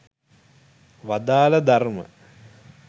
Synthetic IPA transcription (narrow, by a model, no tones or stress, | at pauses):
ʋad̪aːlɐd̪armə̰